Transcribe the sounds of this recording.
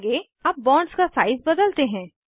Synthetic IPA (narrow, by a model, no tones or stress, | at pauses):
ɡe | ɐp̚bɔ̃ːɳskasaːɪzbɐd̪əlt̪eɦɛ̃ː